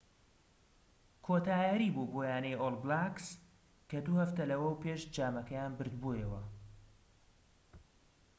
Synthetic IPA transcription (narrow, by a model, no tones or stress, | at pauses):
kʰoːt̪aːjaɾiboboːjaːnɐjolblaks | kɐd̪uhɐft̪ɐlɐwɐwpʰeːʃd͡ʒaːmɐkɐjaːnbɨɾd̪bojɐwɐ